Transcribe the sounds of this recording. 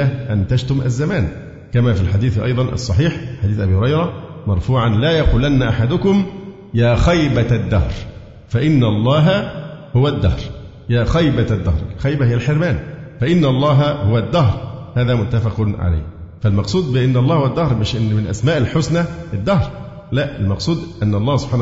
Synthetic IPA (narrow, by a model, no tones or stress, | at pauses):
æʔænt̪æʃt̪ʊmʔæ̰zːæmæːn | kæmæːfilħad̪iːθʔɑ̰jd̪ˤɑnʔɑ̰sˤːɑħiːħħad̪iːθʔæbiːhʊɾˤɑjɾˤɑmɑɾˤfuːʕanlæːjɑquːlænːaʔaħad̪ʊkʊm | jæːxæjbæd̪ːɑhɾ | fæʔɪnːɑlˤːɑːɦɑhʊwæd̪ːɑhɾ | jæːxɑjbæd̪ːɑ̰hɾˤʔɪ̰lxæjbæhɪjːælħeɾmæːnfæʔɪnːlˤːɑːɦɑhʊwæd̪ːɑɦɾˤhæːðæːmʊt̪ːafɑqnʕa̰la̰jhfælmɑqsˤuːd̪bɪʔɪnːɑlˤːɑːhʊwæd̪ːɑhɾˤmɪʃʔɪnːmɪnʔæ̰smæːʔɪlħʊsnæʔɪd̪ːɑhɾ | læʔɪlmɑqsˤuːd̪ʔænːɑlˤːɑːhsob̥ħaːn